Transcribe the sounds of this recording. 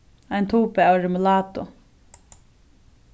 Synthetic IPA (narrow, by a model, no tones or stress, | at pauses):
ajnt̪ʰuːpɛawɾɪmʊlaːt̪ʊ